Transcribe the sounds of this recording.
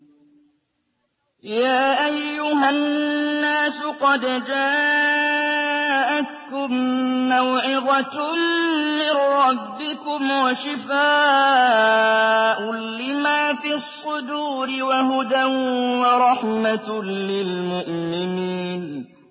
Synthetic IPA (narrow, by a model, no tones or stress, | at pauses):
jaːʔajːʊhanːaːsʊqɑd̪d͡ʒaː | ʔat̪kʊmːawʕɪɣɑ | mɪnɾɑbːɪkʊmwaʃɪfaː | ʔʊlɪmaːfisˤːʊd̪uːɾɪwaɦʊd̪anwɑɾˤɑħmalɪlmʊʔmɪniːn